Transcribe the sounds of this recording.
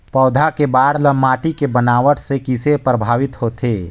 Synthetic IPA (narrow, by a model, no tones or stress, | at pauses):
pɔːd̪ʱakebaːɾləmaːʈikebənaːʋəʈsekɪsepɾəbʱaːʋɪt̪hoːt̪eː